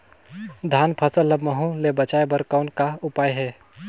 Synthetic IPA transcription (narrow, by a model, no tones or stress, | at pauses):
d̪ʱaːnpʰɐsəlːəbməɦũlebət͡ʃaːjbɐɾkɔːnkaʊpaːjɦɛː